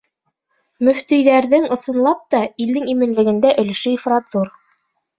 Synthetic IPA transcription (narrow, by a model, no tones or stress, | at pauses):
mɵ̆ft̪ɵ̆jðæɾðɘŋŏsɤ̆nlˠɑp̚t̪ɑild̪ɘŋimɘ̆nlɘ̆ɡɘ̆nd̪æʔɵ̆l̆ʃɵifrɑt̪zuɾ